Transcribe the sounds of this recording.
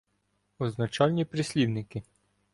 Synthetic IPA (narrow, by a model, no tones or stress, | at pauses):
ɔznɐt͡ʃɑlʲnʲipɾɪsʲlʲiwnɪkɪ